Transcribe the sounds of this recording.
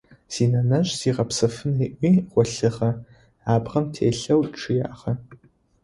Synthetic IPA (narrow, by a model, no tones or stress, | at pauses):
z̥iːnɐnɐɕziːʁɐpsɐfɨneːʔʷiːʁʷɔɬɨχɐ | aːbʁɐmtʰḛːɬɐwʈ͡ʂʰɨja̰ːχɐ